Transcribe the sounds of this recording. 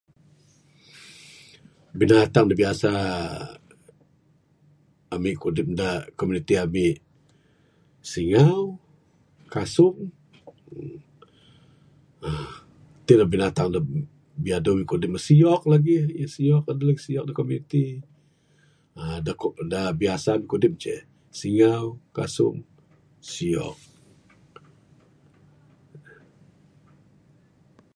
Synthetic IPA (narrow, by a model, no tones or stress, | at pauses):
binat̪aŋdabiasa | mɪʔkudɪp̚dakomjunit̪iamɪʔ | siŋaw | kasʊŋ | t̪ɪlabinat̪aŋda | biadomikudɪp̚məsiɔk̚laɡihjəsiɔk̚adələksiɔk̚dakɔmut̪i | adakɔdabiasamikudɪp̚t͡ʃɛ̰ | siŋawkasʊ̰ŋ | siɔ̰k̚